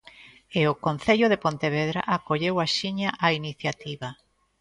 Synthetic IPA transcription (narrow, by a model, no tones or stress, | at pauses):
eokon̟θeʎoðepont̪eβeðɾa̰ʔakoʎewaʃiɲaʔainiθjat̪iβa